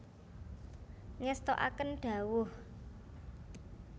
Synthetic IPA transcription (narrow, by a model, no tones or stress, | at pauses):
ŋɛst̪oʔa̰kənɖ̥ä̤wʊh